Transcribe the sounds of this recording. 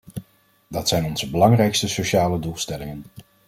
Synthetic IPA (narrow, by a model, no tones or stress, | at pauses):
dɑtsɛjnɔnz̥əbəlɑŋrɛjkstəsoʃaːlədulˠstɛlɪŋən